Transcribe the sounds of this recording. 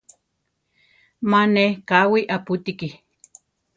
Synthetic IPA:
manehkawiʔaput̪iki

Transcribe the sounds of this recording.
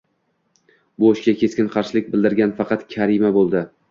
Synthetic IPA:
boʃkʲakʲʰe̞skʲɪnqʰɑɾʃɪlɪk̚ʲbɪld̪ɪɾɡʲanfɑqʰɑt̪kʲʰaɾɪmabolˠd̪ɪ

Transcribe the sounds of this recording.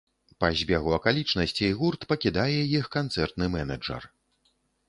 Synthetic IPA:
pɐzʲbʲɛɣuɐkalʲit͡ʂnɐsʲt͡sʲijɣurt̪pɐkʲid̪ajɛjixkant̪sɛrt̪nɨmɛnɐd͡ʐɐ̰r

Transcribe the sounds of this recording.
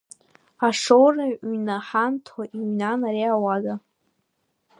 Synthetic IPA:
aʂowraɥnaħantʰwaʔiɥnanaɾiawaza

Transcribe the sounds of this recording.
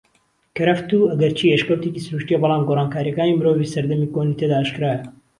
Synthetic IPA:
kɐɾɐft̪uːɐɡɐɾt͡ʃʰiːeʃkɐwt̪ecisɨɾuːʃt̪ijebɑlɑːmɡoːraːnkaːɾijɐkaːnimɨɾoːviːsɐɾd̪ɐmikonit̪ʰed̪aːʔːʃkɨɾaːjɐ

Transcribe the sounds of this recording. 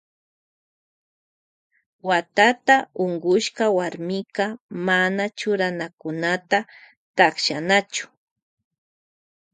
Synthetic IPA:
wat̪at̪aʊŋɡʊʃkawaɾmɪkamanat͡ʃʊɾanakʊnat̪a | t̪akʃanat͡ʃʊ̥

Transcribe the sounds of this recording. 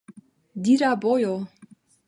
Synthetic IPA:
d̪iɾabojo

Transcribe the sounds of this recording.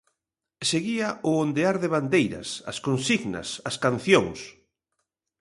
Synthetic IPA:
seɣiaʊond̪eaɾðɪβand̪ejɾɐ̰sɐ̰skonsiɣnɐ̰sɐskan̟θjoŋs

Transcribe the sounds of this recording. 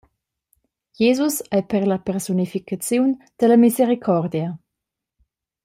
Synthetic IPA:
jezusɛjpəɾlapɛɾsunifikat͡sjun | d̪̥əlɐmizeɾikʰɔrd̪ja

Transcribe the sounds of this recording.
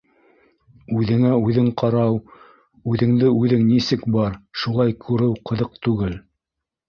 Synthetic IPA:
ʉðɘ̆ŋæʉðɘŋqʰɑɾɑw | ʉðɘ̆ŋd̪ɘʉðɘŋnisɘkbɑɾʃulˠɑjkʰʉɾɘwqɤ̆ðɤq̚t̪ʉɡɘl

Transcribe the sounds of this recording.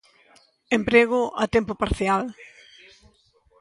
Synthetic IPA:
empɾeɣʊʔa̰t̪empʊpaɾθjal

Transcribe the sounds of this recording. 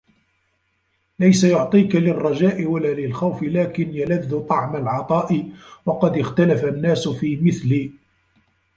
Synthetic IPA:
lajsajʊʕt̪ˤiːkalɪrˤːɑd͡ʒaːʔɪwalaːlɪlxawfɪlaːkɪnjalaðːʊt̪ˤɑʕmalʕɑt̪ˤɑːʔɪwɑqɑd̪ɪxt̪alafanːaːsʊfiːmɪθliː

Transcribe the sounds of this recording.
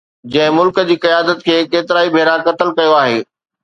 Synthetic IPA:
d͡ʑɐ̃ɦɪ̃mʊlkə̆d͡ʑiːkɐjaːd̪ət̪̚kʰeːkeːt̪ɪɾaːibʱeːɾãkɐt̪əlkɐjoaːɦeː

